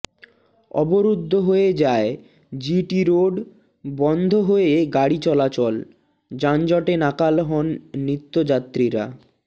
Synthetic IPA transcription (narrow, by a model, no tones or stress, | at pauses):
ɔ̰boɾud̪ʱːoɦoed͡ʑae | d͡ʑiʈiɾoɖ | bɔnd̪ʱoɦoeɡaɽit͡ɕɔlat͡ɕɔl | d͡ʑand͡ʑɔʈenakalɦɔnːit̪ːod͡ʑat̪ːɾiɾa̰